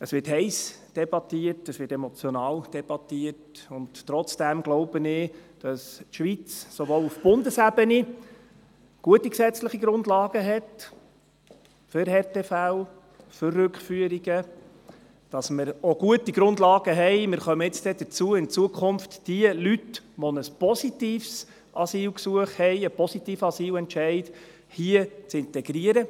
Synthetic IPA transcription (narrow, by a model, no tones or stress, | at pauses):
əsvʋɪɾthɛɪsd̥ɛb̥ɑtiətəsvɪtɛmɔt͡sjɔnɑːld̥ɛb̥ɑtiətʊnttːɾɔt͡sd̥æmɡloʊbənɪd̥ɑstʃʋit͡ssoʋoːlufb̥ʊndəsæbəni | ɡ̥uətːiksɛt͡sləχiɡɾʊndlɑːɡ̥əɦɛt | fʏɾhɛrtefæw | fʏrːʏkχfyəɾiɡ̥ə | d̥ɑsməɾoɡ̥uətiɡ̥ɾʊndlɑːɡ̥əɦɛɪmɪɾχœməɪt͡sd̥̪ɛd̥̪əɾt͡suəɪnt͡suəkʰʊmftd̥iəlytʋɔnəspɔsitiːfs | ɑsiːlksuəχthɛɪəpɔsitiːfɑsiːlɛntʃɛɪt | hiət͡sɪnt̪ɛɡ̥ɾiəɾə